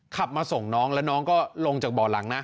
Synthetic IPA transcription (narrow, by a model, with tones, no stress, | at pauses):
kʰa˨˩p̚maː˧so˨˩ŋnɔː˦˥ŋlɛː˦˥wnɔː˦˥ŋkɔː˥˩lo˧ŋt͡ɕaː˨˩k̚bɔː˨˩la˩˦ŋna˦˥ʔ